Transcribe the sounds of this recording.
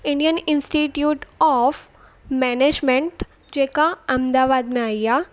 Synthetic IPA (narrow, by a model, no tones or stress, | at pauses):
ɪ̃ɳɖijənɪnsʈiːʈjuːʈɔːf | mɛːneːd͡ʒmẽɳʈ | d͡ʒeːkaɐ̃md̪aːʋaːd̪mẽaːijaː